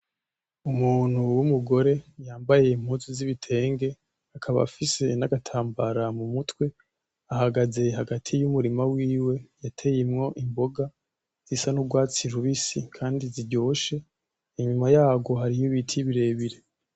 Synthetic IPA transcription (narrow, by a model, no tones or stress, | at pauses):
umuːn̥huwumuɡo̞ɾe̞jaːmbaje̞im̥huːnziziβitʰe̞ːŋɡe̞ | akʰaβa̰fise̞naɡatʰaːmbaɾamumutwe̞ | aɦaɡaze̞ɦaɡatʰijumuɾimawiːwe̞jatʰe̞jemŋo̞ʔimbo̞ɡa | z̥isanuɡwaːt͡siɾuβisikʰaːndiziɟo̞ːʃe̞ | iɲumajaːɡo̞ɦaɾijuβitʰiβiɾe̞ːβiɾe̞